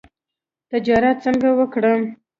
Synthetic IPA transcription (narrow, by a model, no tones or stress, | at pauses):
t̪ad͡ʒɑɾat̪̚t͡səŋɡawəkɽə